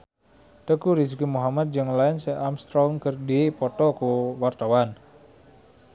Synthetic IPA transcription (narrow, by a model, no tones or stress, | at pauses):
t̪əkuɾisikumuɦamat̪̚d͡ʒɨŋlaɪnseʔamst̪ɾɔŋkərdiepɔt̪ɔkuwart̪awan